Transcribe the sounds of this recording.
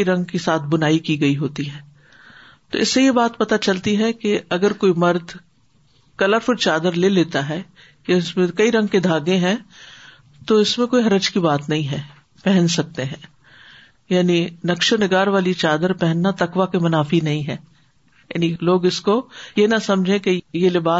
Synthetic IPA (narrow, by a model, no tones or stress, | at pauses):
iɾɐ̃ŋɡkesaːt̪ʰbʊnaːikiɡɐiɦoːt̪iɦɛ̃ː | t̪o̰ːɪsːejebaːt̪pɐt̪at͡ʃɐlt̪iɦɛkeɐɡəɾkoːimɐɾd̪ʱ | kɐləɾfʊɾt͡ʃaːd̪əɾleleːt̪aɦɛ | jaɪsmẽkɐiɾɐ̃ŋɡ̚ked̪ʱaːɡẽɦɛ̃ | t̪oɪsmẽkoːiɦɐɾəd͡ʒkibaːt̪nɐɦĩɦɛ̃ | pɛɦɛ̃nsɐk̚t̪eɦɛ̃ː | jaːninɐkʃonɪɡaːɾʋaːlit͡ʃaːd̪əɾpɛɦɛnːat̪ɐkʋakemɐnaːfinɐɦĩɦɛ̃ː | ja̰ːniloːɡɪskojenasɐ̃md͡ʒʱẽkejelebaː